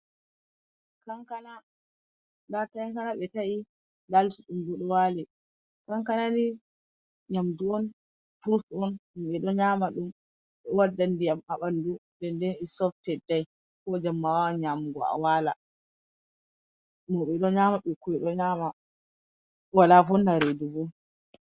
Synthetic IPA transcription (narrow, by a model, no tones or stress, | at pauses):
kaŋkana | latajaŋkanaɓɛtaʔi | daltiɗumdɔɗɔwali | kaŋkanani | ɲamduɔn | puɾtɔnumɓɛɗɔɲamaɗum | ɗɔwadːandijamaɓandudɛndɛnɛsɔftɛdːaj | kɔd͡ʒamːawawaɲamɡɔa̰wala | mɔɓɛɗɔɲamaɓɛkuɛɗɔɲama | walafɔnːaɾedubɔ